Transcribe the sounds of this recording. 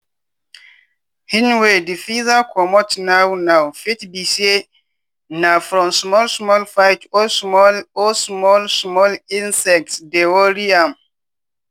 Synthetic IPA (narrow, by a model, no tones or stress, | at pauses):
hĩnwedifizakʰɔmɔtnawnawfitbise | nafɾɔ̃msmɔlsmɔlfajtɔsmɔlosmɔlsmɔlĩnsɛk̚tsdewɔɾiam